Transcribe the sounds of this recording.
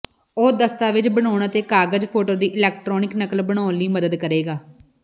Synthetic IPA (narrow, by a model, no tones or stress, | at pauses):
oːd̪əst̪aːʋɪt͡ʃbəɳ̃aːɳət̪eːkaːɡəd͡ʒpʰoːʈoːd̪iːʔɪlɛːk̚ʈɾɔːnɪknəkəlbəɽaːliːməd̪əd̪kəɾeːɡaː